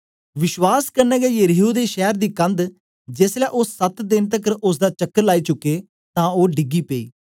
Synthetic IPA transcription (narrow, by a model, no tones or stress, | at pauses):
ʋɪʃwaːskəɾnɛːɡɛːjəɾiːɦuːd̪eːʃɛːɾd̪iːkənd̪ | d͡ʒeslɛːʔoːsət̪d̪ɪnt̪əkəɾʊs̬d̪aːt͡ʃəkːəɾlaːiːt͡ʃʊkːeː | t̪ãːoːɖɪɡiːpeḭː